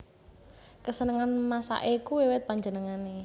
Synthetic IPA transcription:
kəsənəŋanmasa̰ʔekuwewɛt̪̚paɲd͡ʒənəŋane

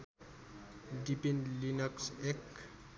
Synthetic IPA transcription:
dipenlinʌksek

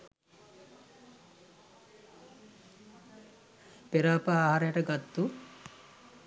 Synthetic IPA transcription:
peɾaːpaaːɦaɾəjaʈəɡat̪ːu

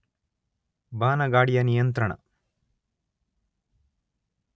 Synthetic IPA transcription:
baːnɐɡaːɽijɐnijɐnt̪ɾɐɳɐ̰

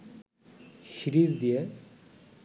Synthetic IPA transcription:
ʃiɾizd̪ijɛ

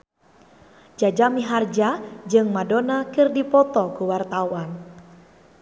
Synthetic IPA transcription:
d͡ʒad͡ʒamiɦard͡ʒad͡ʒɨŋmadonakɨrdipɔt̪ɔkuwart̪awan

